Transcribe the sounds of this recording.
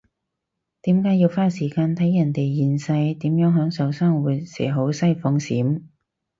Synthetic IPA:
t̪iː˨˥mkaː˨˥ji˧wfaː˥siː˨˩kaː˧nt̪ʰɐ˨˥jːɐ˨˩nt̪e˨jjiː˨nsɐ˧jt̪iː˨˥mjœː˨˥ŋɦœː˨˥ŋsɐ˨˥wsaː˥ŋwuː˨˧jsɛ̰ː˨˩ɦo˨˥wsɐ˥jfʊ˧ŋsiː˨˥m

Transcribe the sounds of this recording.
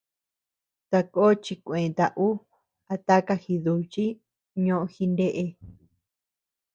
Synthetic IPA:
t̪a˧ko˦t͡ʃi˧kʷẽ˨t̪a˨ʔu˦ | a˧t̪a˦ka˧xi˧ðu˧t͡ʃi˦ | ɲõ˦ʔõ˧xi˧nde˦ʔe˧

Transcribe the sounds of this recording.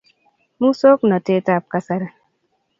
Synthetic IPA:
mu˦so˦knɔ˨te˦ta˦˨p̚ka˦sa˦ɾa˨

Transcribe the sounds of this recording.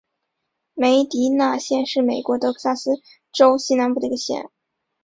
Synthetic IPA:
me˧˥ɪt̪i˧˥na˥˧ɕjɛ˥˧nʂɻ̩˥˩me˨˩ɪkwɔ˧˥t̪ɤ˧˥kʰɤ˥˩sa˥sɹ̩˥ | ʈ͡ʂo˥ʊɕi˥na˧˥npu˥˩d̪ə˧˥ɡə˧ɕjɛ̰˥˩n

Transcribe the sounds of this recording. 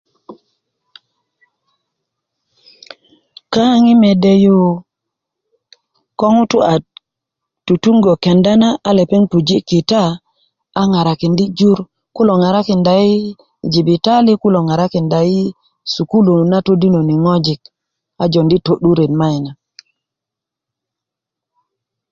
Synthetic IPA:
ka˦ŋi˦me˨de˦ju˦˨ | ko˦ŋu˦tu˦a˨ | tu˨tu˦ŋɡo˨ke˨nda˦naː˦le˨pe˦ŋpu˨d͡ʒi˦ki˨taː˦ | ŋa˨ɾa˨ki˨ndi˦d͡ʒu˦ɾ | ku˦lo˨ŋa˨ɾa˦ki˨nda˨i˦ | d͡ʒi˨bi˨ta˦li˦ku˦lo˨ŋa˨ɾa˦ki˨nda˨i˦ | su˨ku˦lu˨na˦to˦di˦no˨ni˨ŋo˦d͡ʒi˨k̚ | a˨d͡ʒo˨ndi˦to˨ɗu˦ɾe˨tma˦i˨na˨

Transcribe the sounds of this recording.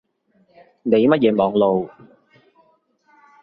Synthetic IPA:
ne˨˧jmɐ˥t̚jɛː˨˥mɔː˨˧ŋlo˨w

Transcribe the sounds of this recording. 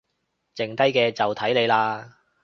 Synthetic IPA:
t͡sɪ˨ŋt̪ɐ˥jkɛː˧t͡sɐ˨wt̪ʰɐ˨˥jle˨˧jlaː˧

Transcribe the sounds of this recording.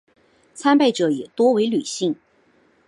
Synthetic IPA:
t͡sʰa˥npa˥˩ɪʈ͡ʂɤ˨˧˥jɛ˨˩t̪wɔ˥we˧˥ɪly˨˩ɕi˥˩ŋ

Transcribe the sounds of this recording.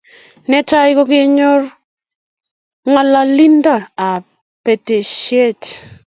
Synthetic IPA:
nɛ˦ta˦jko˦kɪ˦ɲo˦r | ŋa˨la˦li˦nda˦˨a˨ | pe˨te˨ʃe˦˨t

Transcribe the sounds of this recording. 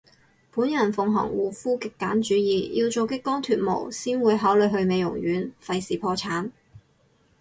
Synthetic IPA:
puː˨˥njɐ˨˩nfʊ˨ŋɦɔ̰˨˩ŋwuː˨˧fuː˥kɪ˨kːaː˨˥nt͡ʃyː˨˥jiː˨ji˧wt͡so˨˧wkɪ˥kːɔː˥ŋt̪ʰyː˨t̚mo̰˨˩wsiː˥nwuː˨˧jɦaː˨˥wlɵ˨˧ɥɦɵ˧ɥme˨jʊ̰˨˩ŋjyː˨˥nfɐ˧jsiː˨pʰɔː˧t͡sʰaː˨˥n

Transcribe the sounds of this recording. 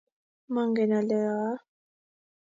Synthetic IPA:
ma˨ŋɡɛ˨na˨lɛ˨a˨a˦

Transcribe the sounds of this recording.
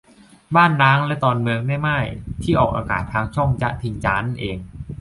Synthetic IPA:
baː˥˩nːaː˦˥ŋlɛ˦˥t̪ɔː˧nmɯ˧əŋma˥˩jmaː˥˩jt̪ʰiː˥˩ʔɔː˨˩k̚ʔaː˧ka̰ː˨˩t̪ʰːaː˧ŋt͡ɕʰɔ˥˩ŋt͡ɕa̰˦˥ʔt̪ʰi˧ŋt͡ɕaː˦˥na˥˩nʔeː˧ŋ

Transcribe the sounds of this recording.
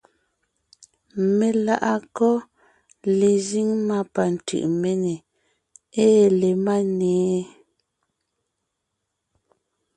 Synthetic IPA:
me˨la˦ʔa˦kɔ˦ | le˨zi˦ŋma˦pa˨n̩˨tɯ̰˨ʔme˦ne˨ | eː˦le˨ma˦nɛː˨˦

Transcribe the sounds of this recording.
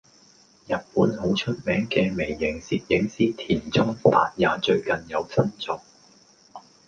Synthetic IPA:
jɐ˨t̚puː˨˥nɦo˨˥wt͡ʃʰɵ˥t̚mɛː˨˥ŋkɛː˧me˨˩jːɪ˨˩ŋsiː˨t̚jɪ˨˥ŋsiː˥t̪ʰiː˨˩nt͡sʊ˥ŋt̪a̰ː˧t̚jaː˨˥t͡ʃɵ˧ɥkɐ˨njɐ˨˧wt͡sʰɐ˥nt͡sɔː˨˩k̚

